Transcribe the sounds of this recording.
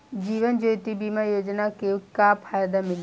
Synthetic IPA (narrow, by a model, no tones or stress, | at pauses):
d͡ʒiːʋənd͡ʒoːt̪ibiːmãjoːd͡ʒnakekapʰaːjd̪amɪl